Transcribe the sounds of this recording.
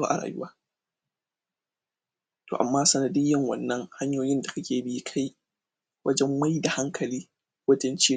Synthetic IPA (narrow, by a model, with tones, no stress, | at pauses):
a̰˦ʔa˨ɾa̰ː˨jʊ˦waː˦ | to̰ː˨ʔa̰˨mːaː˦sɐ˨nɐ˨dɪ˦jːɐ˦ŋwɐ̰˨nːɐ˦ŋha˦ɲjoː˦jɪ˦nda˨kɐ˦kʲʰeː˨bɪ˦kʰa˦j | wʔɐ˦d͡ʒɛ˦mːa˦jda˨ha˦ŋkʰɐ˨liː˦ | wɐ˦tɐ˦nt͡ʃiː˦